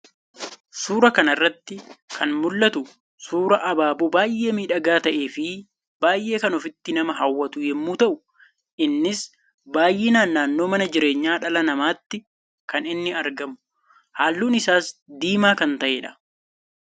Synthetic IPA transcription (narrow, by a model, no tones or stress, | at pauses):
suːɾɐkɐnɐrːɐt̪ːɪkʰɐnmʊlːɐt̪ʊ | suːɾɐʔɐbaːbubaːjʔe̞ːmiːᶑɐɡaːt̪ɐʔe̞ːfɪ | baːjʔe̞ːkɐnɔfɪt̪ːɪnɐmɐɦɐwːɐt̪ʊjɛmːuːt̪ɐʔʊ | ʔɪnːɪs | baːjʔeːnaːnːaːnːo̞ːmɐnɐd͡ʒɪɾe̞ːɲːaːᶑɐlɐnɐmaːt̪ːɪ | kɐnɪnːɪɐɾɡɐmʊ | haːlːuːnɪsaːsd̪iːmaːkɐnt̪ɐʔeːᶑɐ̥